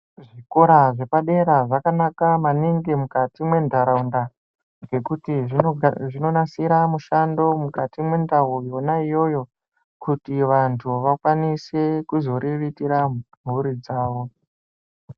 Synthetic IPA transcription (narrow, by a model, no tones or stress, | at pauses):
ʐiko̞ɾaʐe̞paɗe̞ɾaʐakanakamaniŋɡimukatimwe̞ndaɾaunda | ŋɡe̞kutiʐino̞nasiɾamuʃando̞mukatimwe̞ndaɦujo̞naijo̞jo̞ | kutiʋantʰuʋakwanise̞kuzo̞ɾʔiʋitiɾam̤uɾid͡zaːʋo̞